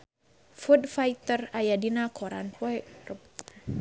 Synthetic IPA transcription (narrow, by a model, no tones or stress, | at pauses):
fudfajt̪ərajadinakʰɔɾa̰npɔɛrə